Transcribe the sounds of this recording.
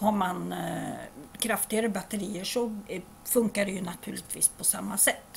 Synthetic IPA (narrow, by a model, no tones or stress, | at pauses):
haɾman | kʰɾaft̪ɪɡaɾəbat̪ːəɾiːəʂɔ | fɵŋkaɖɛjɵnat̪ʰʉ̟ːɭɪt̪ʰvḭːspʰɔsamːasɛt̪ː